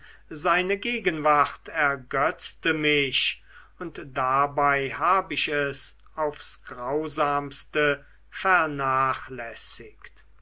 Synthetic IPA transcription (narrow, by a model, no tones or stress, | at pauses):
zaɪnəɡeːɡənvaʁtʰɛɐɡœt͡stəmɪʃ | ʊntd̥abaɪhaːbəɪʃɛs | aʊfsɡ̥ʁaʊzaːmstə | fɛɐnaːχlɛsɪkt